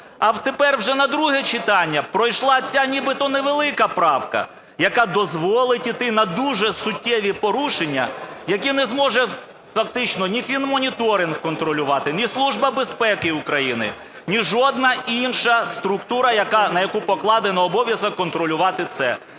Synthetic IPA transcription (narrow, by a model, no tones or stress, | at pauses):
ɐwt̪epɛrwʒɛnɐd̪ɾuɦɛt͡ʃɪt̪ɑnʲːɐpɾɔjʃlˠɑt͡sʲanʲibɪt̪ɔneʋelˠɪkɐpɾɑwkɐ̰ | jɐkɑd̪ɔzʋɔlˠɪtʲit̪ɪnɐd̪uʒɛsʊtʲːɛʋʲipɔɾuʃenʲːɐjɐk̬ʲinɛzmɔʒɛ | fɐk̚t̪ɪt͡ʃnɔnʲifʲinmɔnʲit̪ɔɾʲɪnɡkɔnt̪ɾɔlʲʊʋɑt̪ɪnʲislˠuʒbɐbespɛkɪukɾɐjinɪ̰ | nʲiʒɔd̪̚nɐinʃɐst̪ɾʊkt̪uɾɐjɐkɑnɐjɐkupɔklˠɑd̪ɪnɐɔbɔʋʲjɐzɐkɔnt̪ɾɔlʲʊʋɑt̪ɪt̪sɛ̰